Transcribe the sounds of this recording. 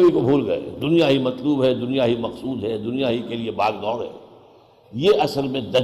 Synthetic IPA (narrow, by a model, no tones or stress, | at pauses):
bikobʱuːlɡɐḛd̪ʊnijaɦimɐt̪luːbɦɛd̪ʊnijaɦimɐxsuːd̪ɦɛd̪ʊnijaɦikeliebaːɡd̪ɔːɾɦɛ̰ː | jeʔɐsəɾlmẽd̪ɐ